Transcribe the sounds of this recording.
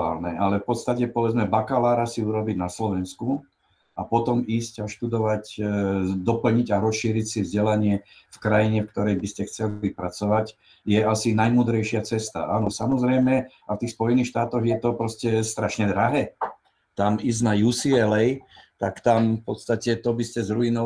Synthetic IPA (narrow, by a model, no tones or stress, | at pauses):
a̰ːlnɛʔalɛfpɔt̪st̪acɛpɔʋɛd͡zmɛbakalaːɾasiuɾɔbiɟnaslɔʋɛnsku | apɔt̪ɔmiːscaʃt̪ud̪ɔʋac | d̪ɔpl̩ɲiɟaɾɔsʃiːɾicsivzɟɛlaɲɪɛ | fkɾajiɲɛfk̚t̪ɔɾɛjbiscɛxt͡sɛliʋipɾat͡sɔʋac | jɛasinajmuːd̪ɾɛjʃɪat͡sɛst̪a̰ʔa̰ːnɔsamɔzɾɛjmɛ | aft̪iːxspɔjɛniːxʃt̪aːt̪ɔɣjɛt̪ɔpɾɔscɛst̪ɾaʃɲɛd̪ɾaɦɛː | t̪amiːzɟnajusiɛlɛjt̪akt̪amfpɔt̪st̪acɛt̪ɔbiscɛzɾuinɔ